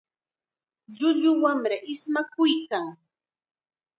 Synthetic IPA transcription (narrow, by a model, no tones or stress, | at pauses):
ʎʊʎʊwamɾaʔɪsmakʊjkaŋ